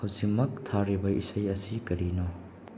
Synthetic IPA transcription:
hɐwzik̚mɐk̚tʰaɾibɐʔḭsɐjɐsikɐɾino

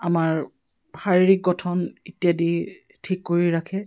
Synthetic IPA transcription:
amaɹ | baɹiɹik̚ɡɔtʰɔnitijadi | tʰikːoɹiɹakʰɛ

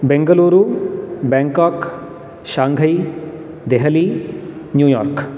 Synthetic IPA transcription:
bẽŋɡəluːɾubɛ̃ːŋkɔːk | ʃãːŋɡʱəi | d̪eɦəli | njuːjɔ̰ːɾk

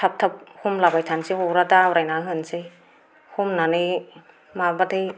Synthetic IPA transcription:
tʰap̚tʰap̚humlabajtʰansihoɾadawɾajnaɦɯnsɯj | humnanɯj | mabatʰɯj

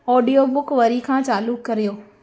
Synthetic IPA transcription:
ɔːɖijobʊkʋɐɾikʰãːt͡ɕaːlʊkːɐɾijoː

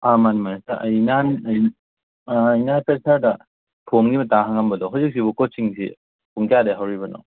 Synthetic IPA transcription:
amanimanasaʔɐjnanjː | jnanpʰesaɾdɐ | pʰomɡimɐtaɦaŋambɐdɔɦawzik̚sibukot͡ʃiŋsḭ | puŋkijadeɦawɾibɐnɔ̰

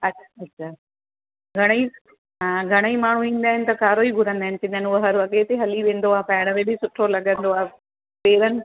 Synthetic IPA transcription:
ɐɕʰaɐɕʰaː | ɡʱɐɽ̃i | ɡʱɐɽ̃əimaːɳ̤ũĩːn̆d̪aːɦɪnɪ̆t̪ɐkaːɾoːiɡʱʊɾə̃nd̪aːɪnɪ̆t͡ɕɪ̃nənɐɦɐɾʋɐɠet̪eɦɐliʋẽːn̆d̪oaːpɐːɪɽ̃əmẽːbʱisʊʈʰolɐɠə̃nd̪oaːɦe | peːɾənɪ̆

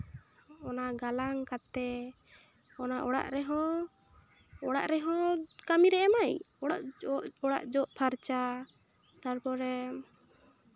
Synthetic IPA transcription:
ɔnaɡalaŋkat̪ɛ | ɔnaʔɔɽa̰ʔɾɛɦɔ̃ | ɔɽa̰ʔɾɛɦɔ̃kamiɾɛɛmaj | ɔɽaʔɔɽa̰ʔd͡ʒɔʔpʰaɾt͡ʃa | t̪aɽpɔɾɛ

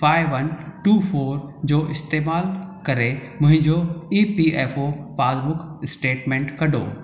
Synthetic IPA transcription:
faːɪʋɐnʈuːfʰoːɾd͡ʑoːʔɪst̪eːmaːlkɐɾemʊ̃ɦɪ̃ɲd͡ʑoiːpiʔeːfopaːzbʊkʰɪsʈeːʈmẽːɳʈkɐɗo̰ː

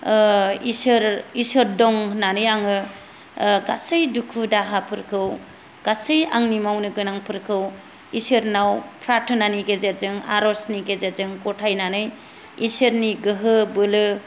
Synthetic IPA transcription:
isɯɾisɯɾdɔŋnanɯjaŋɯ | ɡasɯjdukʰudaɦapʰɯɾkʰɯw | ɡ̥asɯja̰ŋnimawnɯɡɯnaŋpʰɯɾkʰɯw | isɯɾnawpʰɾatʰɯnaniɡezezɯŋa̰ɾɔsniɡezezɯŋkɔtʰajnanɯj | isɯɾniɡɯɦɯbɯlɯ

